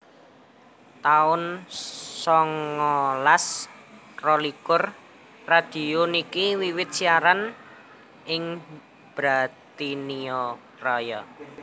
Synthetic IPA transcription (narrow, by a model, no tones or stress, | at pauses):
t̪aʊn | sɔŋɔlas | rɔlikʊr | rad̪̥i̤onikiwiwɪt̪̚siaɾan | ɪŋ | b̥ɾat̪iniɔ | rɔjɔ